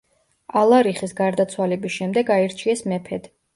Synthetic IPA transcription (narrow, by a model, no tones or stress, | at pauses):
alˠaɾiχisɡaɾd̪at̪sʰwalɛbisʃɛmd̪ɛɡaiɾt͡ʃʰiɛsmɛpʰɛd̪̥